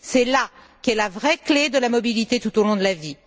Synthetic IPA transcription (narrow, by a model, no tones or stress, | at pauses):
sɛla | kɛlavʁɛkled̪əlamɔbilit̪et̪ut̪olɔ̃d̪əlavi